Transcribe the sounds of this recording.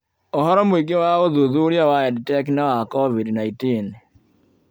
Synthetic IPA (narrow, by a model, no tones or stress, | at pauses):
ɔɦɔɾɔmoiɡewaoðuðuɾjawaɛditɛkinawakɔvidnaitin